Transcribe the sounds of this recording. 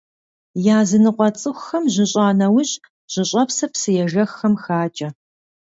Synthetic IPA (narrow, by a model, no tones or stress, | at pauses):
jaːzɨnɨqʷʼɔt͡sʼɨxʷxɐmʑɪɕʼaːnɐwʊɕ | ʑ̥ɪɕʼɐpsɐpsɨjɛʒɐxːɐmxaːt͡ʃʼɐ